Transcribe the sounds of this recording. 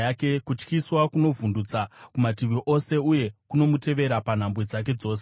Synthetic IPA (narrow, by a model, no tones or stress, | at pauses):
ake̞kut͡ʃkiswakuno̞vundut͡sakumatiʋiʔo̞se̞uje̞kuno̞mute̞ʋe̞ɾapan̤ambwe̞d͡zak̬e̞d͡zo̞ːse